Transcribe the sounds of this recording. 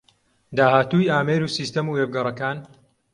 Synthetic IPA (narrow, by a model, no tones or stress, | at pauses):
d̪aːhaːt̪ujaːmeːɾuːsiːst̪ɐmuevɡɐrˤɐkaːn